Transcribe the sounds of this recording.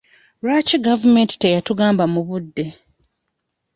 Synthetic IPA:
ɾat͡ʃiɡavume̞nti̥tejatuɡaːmbamuβudːe̞

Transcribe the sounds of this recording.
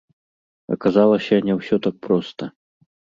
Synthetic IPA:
ɐ̰kazalˠɐsʲɐnʲɛwsʲɔt̪ak̚pɾɔst̪ɐ

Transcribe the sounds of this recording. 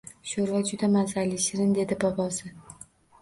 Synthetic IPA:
ʃoɾvad͡ʒʊd̪amazalɪʃɪɾɪnd̪e̞d̪ɪbɒpɒsɪ

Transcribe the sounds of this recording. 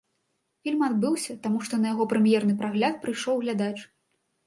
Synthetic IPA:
fʲilʲmad̪̚bɨwsʲɐt̪amuʂt̪ɔnɐjaɣɔpɾɨmjɛrnɨpɾaɣlʲat̪̚pɾɨjʂɔwɣlʲad̪at͡ʂ

